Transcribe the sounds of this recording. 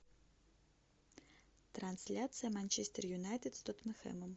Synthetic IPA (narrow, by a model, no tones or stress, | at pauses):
t̪ɾansʲlʲat̪sɨjəmanʲt͡ɕesʲt̪ʲərjunajt̪ʲɨt̪st̪ot̪məxɛ̰məm